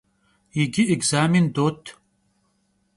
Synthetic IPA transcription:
jiɡiʔiɡzaːmind̪ot̪

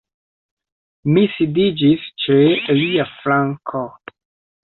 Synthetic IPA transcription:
misidid͡ʒist͡ʃeliaflaŋkʰo

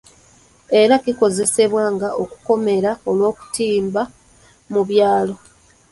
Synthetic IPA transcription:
e̞ɾakiko̞ze̞se̞βwaːŋɡaʔo̞ku̥ko̞me̞ɾao̞lwo̞ːku̥tiːmba | muβjaːlo̞

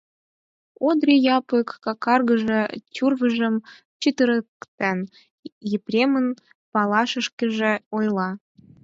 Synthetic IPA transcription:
od̪rʲijɑpəkːɑkɑrɣə̆ʒɤ̆tʲurvə̆ʒə̆m | t͡ɕit̪əɾəkt̪æn | jeprʲemən | pɑlˠɑʃə̆ʃkʲə̆ʒĕojlˠɑ

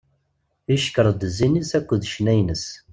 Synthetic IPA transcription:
iʃkəɾˤd̪əzinisækʷːəðʃnæjnəs

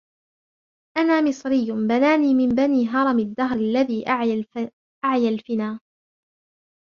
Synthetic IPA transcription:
ʔanaːmɪsˤɾɪjːʊbanaːniːmɪmbaniːɦɑɾˤɑmad̪ːaɦɾalːaðiːʔ | ʔaʕjalfɪnaː

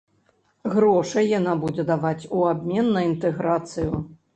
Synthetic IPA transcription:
ɣɾɔʂɐjjanabud͡zʲɛd̪avat͡sʲuabʲmʲɛnːɐint̪ɛɣɾat̪sɨju

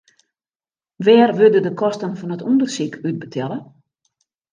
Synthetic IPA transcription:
ʋɛːrʋødədəkʰɔstənfɔnətundərsikʰyt̚bətʰɛlˠə

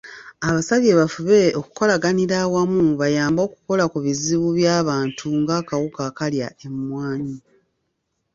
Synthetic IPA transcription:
aβasaβje̞βafuβe̞oku̥ko̞laɡaniɾawamuβajaːmbo̞ːku̥ko̞lakuβiziβuβjaːβaːntʰuŋɡaːkawukakaljaʔe̞mmwaːɲi

